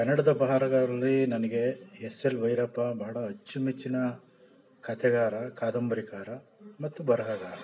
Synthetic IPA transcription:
kɐnːɐɽɐd̪ɐbɐɦaːɾɐɡɐɭɐlːinɐnɐɡe̞eselʋɐjɾɐːpɐbɐɦɐɽɐɐt͡ʃːimit͡ʃːinɐ | kɐt̪ʰɛɡaːɾɐkaːd̪ɐmbɐɾikaːɾɐmɐt̪ːubɐɾɐɦaɡaːɾɐ

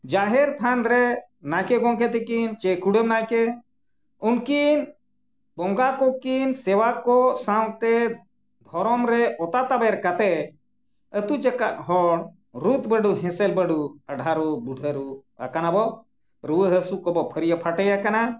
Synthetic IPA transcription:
d͡ʒaɦɛɾt̪ʰanɾɛ | najkɛɡɔ̃ŋkɛt̪ɛkint͡ʃɛkuɽəmnajkɛ | unkin | bɔ̃ŋɡakɔkinsɛwakɔsaw̃t̪ɛ | d̪ʱɔɾɔmɾɛʔɔt̪at̪abaɾkat̪ɛ | ət̪ut͡ʃɛkaʔɦɔɽ | ɾut̪bəɖuɦɛ̃sɛlbəɖuəɖʱaɾubuɖʱəɾua̰kanabɔ | ɾuwəɦəsukɔbɔpʰəɾijapʰaʈəjakana

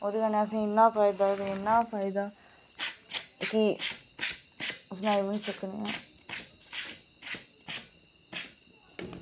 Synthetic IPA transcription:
oːd̪eːkənẽːəs̬ĩːɪnːaːpʰaːɪd̪aːoːd̪eɪnːãːpʰaːɪd̪aː | kɪ | ʊsnãːibənsəknḛːãː

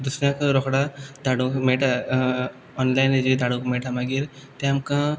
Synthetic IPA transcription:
d̪usɾãkɾɔkɽad̪aːɽukmeːʈa | ɔnlajnd͡ʒid̪aːɽukmeːʈamaɡiɾt̪eɐmkã

